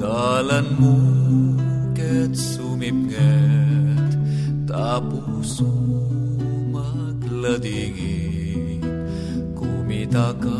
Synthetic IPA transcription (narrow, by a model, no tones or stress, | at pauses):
d̪alɐnmu | ʈet̪sumimɡɛ | t̪t̪aːpu | su | mɐ | ɡlɐd̪iɡi | kuːmit̪aka